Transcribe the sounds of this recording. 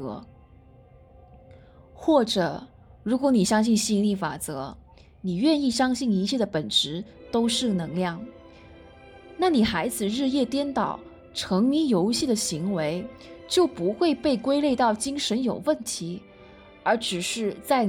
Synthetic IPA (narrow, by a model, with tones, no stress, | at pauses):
ɤ̰˧˥ | xwɔ˥˩ʈ͡ʂɤ˨˩˦ | ɻu˧˥kwɔ˧˥ni˨˩ɕjɑ˥ŋɕ̬i˥˧nɕi˥˧ŋli˥˩fa̰˨˩t͡sɤ̰˧˥ | ni˨˩ɥɛ˥˧ni˥˩ɕjɑ˥ŋɕi˥˩ni˧˥t͡ɕʰjɛ˥˩d̪ə˩pə˨˩nʈ͡ʂɻ̩˧˥ | t̪o˥ʊʂɻ̩˥˩nɤ˧˥ŋljɑ˥˩ŋ | na˥˩ni˨˩xa˧˥ɪd͡zɹ̩˨˩ɻɻ̩˥˧jɛ˥˩t̪jɛ˥nt̪ɑ˨˩˦ʊ | ʈ͡ʂʰɤ˧˥ŋmi˧˥njo˧˥ʊɕi˥˩d̪ə˩ɕi˧˥ŋwe˧˥ɪt͡ɕjo˥˩ʊpu˧˥xwe˥˧ɪpe˥˩ɪkwe˥ɪle˥˧ɪt̪ɑ˥˩ʊt͡ɕi˥ŋʂə˧˥njo˨˩ʊwə˥˩nt̪ʰi˧˥ | ə˞˧˥ʈ͡ʂɻ̩˨˩ʂɻ̩˥˧t͡sa˥˩ɪ